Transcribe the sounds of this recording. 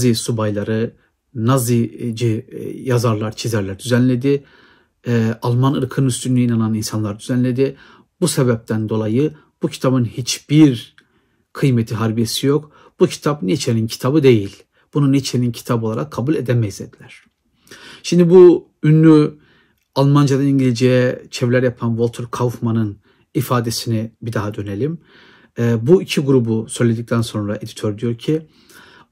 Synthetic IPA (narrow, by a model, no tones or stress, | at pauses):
zisubajlˠaɾɯ | nazid͡ʒijazaɾlˠaɾt͡ʃʰizæɾlʲæɾd̪yzænlʲe̞d̪ɪ | alˠmanɯɾkʰɯnyst̪ynynyinananinsanlˠaɾɯd̪yzænlʲe̞d̪i | busebɛp̚t̪ʰænd̪o̞lˠajɯ | b̥ucʰi̥t̪ʰabɯnhit͡ʃb̥iɾ | kʰɯjmet̪ʰiɦaɾbijesijo̞k | b̥ucʰi̥t̪ʰapnet͡ʃʰenincʰi̥t̪ʰabɯd̪e̞jilʲ | b̥ununet͡ʃʰenincʰi̥t̪ʰabo̞lˠaɾakʰːabulʲed̪ɛmɛized̪ilʲæɾ̥ | ʃimd̪ibu | ynːʲy | alˠmand͡ʒad̪aniɲɟilʲid͡ʒijɛt͡ʃʰɛvlʲæɾjapʰanvolˠt̪ʰuɾkʰavfmanɯn | ifaːd̪e̞sinibid̪aɦad̪ø̞ne̞lʲimː | buicʰiɡuɾubusø̞jlʲed̪ic̚t̪ʰænso̞nɾaʔe̞d̪i̥t̪ʰøɾd̪ijo̞ɾcʰi